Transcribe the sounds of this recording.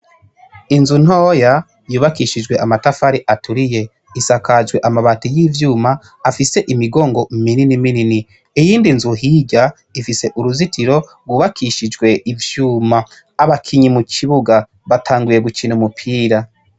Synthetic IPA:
inzun̥oːja | juːβakiʃid͡ʒɡwe̞ʔamatafaɾiʔatʰuɾije̞ | isakad͡ʒɡwe̞ʔamaβatijiːvjuːmaː | fise̞ʔimiɡo̞ːŋɡo̞mininiminini | ijiːndinzuɦiɟa | ifise̞ʔuɾuzitʰiɾo̞ɾɡwuːβakʰiʃid͡ʒɡwe̞ʔivjuːmaː | βakʰiɲimukʰiβuɡa | βatʰaːŋɡuje̞ɡut͡ʃinumupʰiːɾa

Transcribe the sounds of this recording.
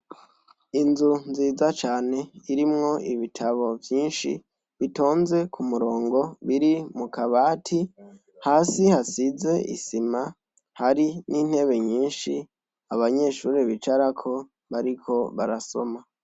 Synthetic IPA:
inzunziːzat͡ʃaːne̞iɾimŋo̞iβitʰaβo̞vjiːnʃḭ | βito̞ːnze̞kumuɾo̞ːŋɡo̞βiɾimukaβaːtʰi | haːsihasize̞ʔḭsima | haɾinin̥he̞βe̞ɲiːnʃi | aβaɲe̞ʃuːɾeβit͡ʃaɾakʰo̞ | βaɾikʰo̞βa̰ɾaso̞̰ma

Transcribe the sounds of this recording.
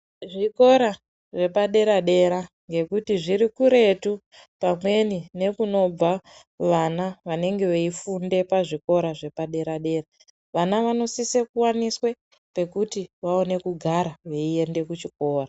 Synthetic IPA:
ʐiko̞ɾa | ʐe̞paɗe̞ɾaɗe̞ɾa | ŋɡe̞kutiʐiɾikuɾe̞tu | pamwe̞nine̞kuno̞b͡va | ʋanaʋane̞ŋɡe̞ʋe̞ifunde̞paʐiko̞ɾaʐe̞paɗe̞ɾaɗe̞ːɾa | ʋanaʋano̞sisekuwaniswe̞ | pe̞kutiʋao̞ne̞kuɡʱaɾaʋe̞ie̞nde̞kut͡ʃiko̞ːra

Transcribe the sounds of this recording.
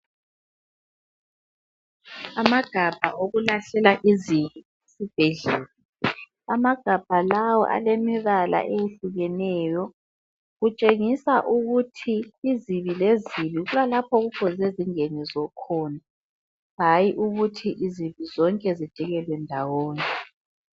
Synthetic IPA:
amaɡ̥ʱab̥ʱaʔoɣulaɬɛlaʔiziβi | esib̥ʱeɮɛːlɔ | amaɡ̥ʱab̥ʱalawɔ̰ʔa̰lemiɣala̰ʔejeɬuɣɛnɛːjɔ | ɣut͡ʃʼeŋisaʔuɣutʰiːziβileziβiɣulalapʰɔɣukʰɔzɛziŋenizɔkʰɔːna | ɦajiʔuɣutʰiʔiziβizɔŋkʼɛzid̥ʒ̥ʱiɣɛlwɛndʱawoːni

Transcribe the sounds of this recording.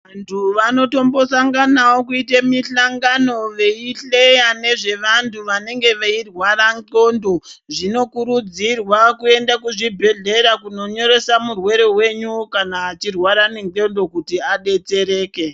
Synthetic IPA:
antʰuʋano̞to̞mbo̞saŋɡanawokuitamiɬaŋɡano̞ʋe̞iɬejane̞ʐe̞ʋantʰuʋane̞ŋɡe̞ʋairwaɾaŋǃo̞ndo̞ | ʐino̞kuɾud͡zirwakue̞ndakuʐibʱe̞ɮe̞ɾakuno̞ɲo̞ɾe̞samurwe̞ɾe̞we̞ɲukanaːt͡ʃirwaɾane̞ŋǃo̞ndo̞kutiaɗe̞t͡se̞ɾe̞ːke

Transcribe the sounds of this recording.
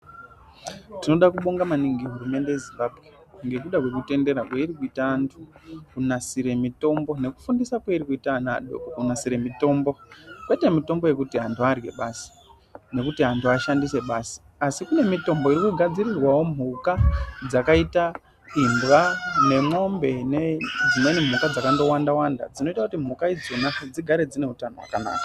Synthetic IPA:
tino̞ɗakuɓo̞ŋɡamaniŋɡieɦurume̞nde̞je̞zimbabʱɣe̞ | ŋɡe̞kuɗakwe̞kute̞nde̞ɾakweirikuitaːntʰu̥kunasiɾe̞mito̞mbo̞ne̞ku̥fundisakwaiɾikuitanaɗo̰kokunasiɾe̞mito̞ːmbo̞kwete̞mito̞mbo̞je̞kutiɦantuarɡe̞̰ɓaːsi̥ | ne̞kutiɦantʰuaʃandise̞ɓaːsi̥ | asikune̞mito̞mbo̞iɾikuɡʱad͡zirirwawo̞m̤ukad͡zakaita | indwane̞mo̞mbe̞ned͡zineinim̤ukad͡zakando̞wandawanda̰d͡zino̞itakutim̤ukaid͡zonad͡ziɡʱaɾe̞d͡zine̞utanowa̰kana̰ːka

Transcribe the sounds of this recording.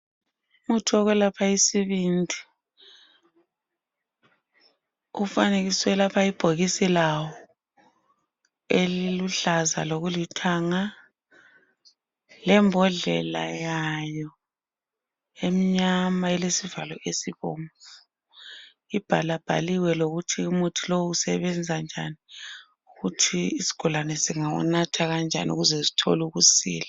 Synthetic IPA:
mutʰuɔɣwɛlapʰaisiβindʱi | ufaneɣiswɛlapʰaib̥ʱoɣisilawɔ | eliluɬaza̰loɣulitʰaŋa | lɛmbʱɔɮɛ̰la̰jajɔ | emiɲamaɛlesivalɔesiβɔːɱfu | ib̥ʱalab̥ʱa̰liwɛloɣutʰiumutʰilowuusɛ̰βɛnd͡zʱand͡ʒʱa̰ni | uɣutʰiisi̥ɡ̥ʱɔlanɛsiŋawṵnatʰaɣand͡ʒʱa̰niṵɣuzɛzi̥tʰɔ̰luɣusḭːla

